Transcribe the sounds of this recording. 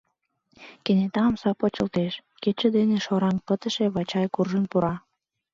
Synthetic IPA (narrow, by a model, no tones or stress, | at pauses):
kenet̪ɑmsɑpot͡ɕə̆lt̪eʃket͡ɕə̆d̪eneʃoɾɑnpət̪ə̆ʃeβɑt͡ɕɑjkurʒənpuɾɑ